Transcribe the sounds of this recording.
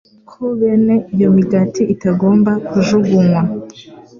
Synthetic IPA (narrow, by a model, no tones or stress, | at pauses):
kʰoβene̞ʔijo̞miɡatiitaɡo̞ːmbakuʒuɡuŋwa